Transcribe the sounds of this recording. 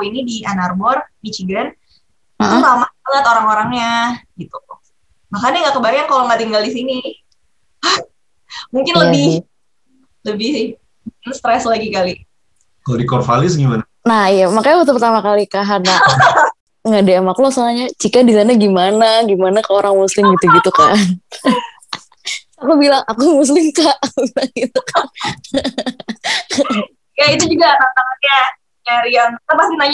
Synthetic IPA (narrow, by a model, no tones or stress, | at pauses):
inidiʔanarbɔrbit͡ʃiɡan | aʔuamaalak̪oɾaŋoɾaŋɲaɡit̪uu | bakandaŋɡaʔkəbaikankaloŋat̪iŋɡaldisini | muŋkɪnləabɪh | ləbɪh | muŋkɪnst̪ɾɛslaɡikali | kalodikɔrfalɪsɡimana | nahijamakajapət̪upərt̪amakalikaɦana | ŋɡaʔdeɛmakulɔsanaɲat͡ʃikadisanaɡimanaɡimanakaoɾaŋmuslɪmɡit̪uɡit̪uka̰n | akubilaŋʔakumus̬lɪmkabilaŋɡit̪ukʰan | jait̪ud͡ʒuɡanant̪aŋaɲa | ɲaɾiant̪apasinaɲ